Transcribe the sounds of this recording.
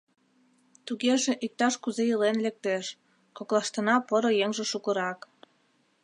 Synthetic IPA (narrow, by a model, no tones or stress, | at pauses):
t̪uɣeʒĕʔik̚t̪ɑʃkuzejəlenlek̚t̪eʃ | koklɑʃt̪ɤ̆nɑpɤɾojeŋʒĕʃukə̆ɾɑk